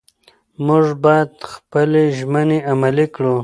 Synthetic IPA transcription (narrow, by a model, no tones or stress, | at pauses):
mʊʐbɑjad̪xpəleʒməneamalikɽu